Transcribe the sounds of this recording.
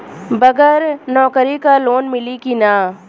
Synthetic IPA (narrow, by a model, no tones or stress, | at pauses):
bɐɡəɾnɔːkɾikaloːnmɪlikinaː